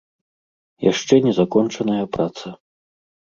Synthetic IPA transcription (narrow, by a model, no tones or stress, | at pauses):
jaʂt͡ʂɛnʲɛzakɔnt͡ʂɐnɐjɐpɾat̪sɐ